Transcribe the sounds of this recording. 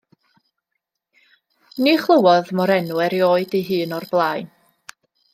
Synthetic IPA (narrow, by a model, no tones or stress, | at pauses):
niχlˠəwɔðmɔɾɛnwɛɾjoːɨdiɦɨːnɔrblˠaːɨn